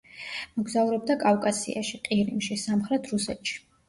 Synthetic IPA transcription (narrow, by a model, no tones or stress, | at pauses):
mɔɡzauɾɛb̚d̪akʼavkʼasḭa̰ʃiqʼiɾimʃisamχɾɛt̪ʰɾusɛ̰t̪ʃi̥